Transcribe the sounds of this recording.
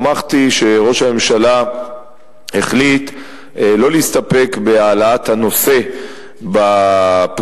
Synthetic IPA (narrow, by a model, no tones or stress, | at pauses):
maχt̪iʃe̞ʁo̞ʃhame̞mʃala | heχlit̪ | lo̞liist̪ape̞kbe̞alaat̪hano̞se̞ | bap